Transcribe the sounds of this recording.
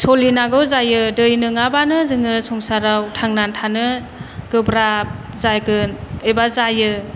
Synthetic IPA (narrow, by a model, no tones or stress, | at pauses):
sʰolinaɡɯwzajɯdɯjnɯŋabanɯzɯŋɯsɔŋsaɾawtʰaŋnantʰanɯ | ɡ̥ɯbɾap̚ | zajɡɯnɯjbazajɯ